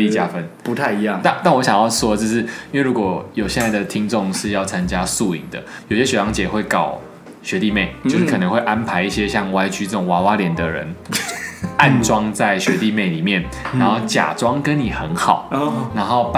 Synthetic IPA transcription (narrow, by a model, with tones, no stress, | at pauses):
i˥˩t͡ɕja˦˥fə˧˥npu˧t̪ʰa˥˩ɪi˧˥jŋt̪a˥˧t̪a˥˩nwɔ˧˦ɕjɑ˨˩ŋjɑ˥˩ʊʂwɔ˥d̪ə˨t͡ɕjo˥˧ʂɻ̩˥˩i˥nwe˥˩ɪɻu˧˥kwɔ˨˩jo˨˩ɕjɛ˥˧nt͡sa˥˩ɪd̪ə˩t̪ʰi˦ŋʈ͡ʂo˥˧ŋʂɻ̩˥˧jɑ˥˩ʊt͡sʰa˦nt͡ɕja˦su˥˧ḭ˨˩ŋd̪ə̰˩jo˨˩ʊɕjɛ˥ɕɥɛ˨˩jɑ˧˥ŋt͡ɕjɛ˨˩xwe˥˩ɪkɑ˨˩ʊ | ɕɥɛ˧˥t̪i˥˧me˥˩ɪt͡ɕo˥˧ʊʂ̩˥˩kʰɤ˨˩nə˧˦xwe˥˩ɪʔa˦npʰa˧˥ɪi˥˩ɕjɛ˦ɕjɑ˥˨˩ŋwa˧˥ɪt͡ɕy˧˥t͡sɤ˥˩ʈ͡ʂʊ˨˩wa˧˥wa˦˥ljɛ˨˩nd̪ə˨ɻə̰˧˦n | a˥˧nʈ͡ʂwɑ˥ŋt͡sa˥˩ɪɕɥɛ˧˥t̪i˥˧me˥˩ɪli˨˩mjɛ˥˩n | na˧˦nxo˥˩ʊt͡ɕja̰˨˩ʈ͡ʂwɑ˦˥ŋkə˦nni˨˩xə˧˦nxɑ˨˩˦ʊna˧˥nxo˥˩ʊp